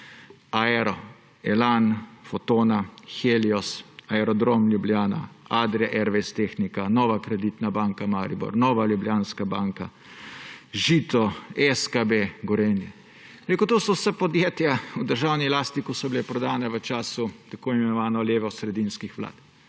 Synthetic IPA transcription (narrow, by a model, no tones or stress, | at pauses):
aɛɾɔ | ɛlanfɔt̪oːnaxeliɔsaɛɾɔd̪ɾomlʲjublʲjaːna̰ad̪ɾɛʔɛɾʋɛst̪exnikanɔːʋakɾɛd̪it̪nabaːŋkamaɾibɔ̰ɾnɔːʋaljubljanskabaːŋka | ʒiːt̪ɔɛskabeɡɔɾenjɛ̰ | biɾeːkut̪oːsɔwsapɔd̪jeːt̪jaud̪əɾʒawnilaːst̪ikɔsɔbilɛpɾɔd̪aːnɛʋət͡ʃaːsut̪akoːimɛnɔʋaːnɔljeːʋɔsɾɛd̪inskixʋla̰ːt̪